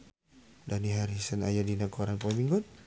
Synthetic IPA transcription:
daniɦaɾisənajadinakoɾanpɔmiŋɡɔn

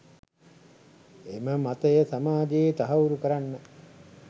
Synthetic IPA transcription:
eməmat̪əjəsamaːd͡ʒeːt̪aɦauɾukəɾanːə

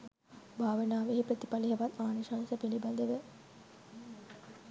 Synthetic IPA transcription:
bʱaːʋɐnaːʋeɦipɾət̪i̥pɐliɦɐʋɐt̪ːaːniʂaːnsɐpilibɐnd̪əʋə

